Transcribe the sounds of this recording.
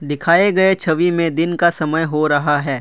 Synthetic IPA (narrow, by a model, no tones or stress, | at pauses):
d̪ɪkʰaːeɡɐet͡ʃʰɐʋimẽd̪ɪnkasɐməjɦoɾɐɦaɦɛː